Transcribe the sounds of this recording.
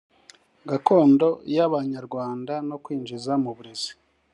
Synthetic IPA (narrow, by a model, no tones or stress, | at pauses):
ɡako̞ːndo̞jaβaɲaɾɡwaːndano̞kwiːnd͡ʒizamuβuɾezi̥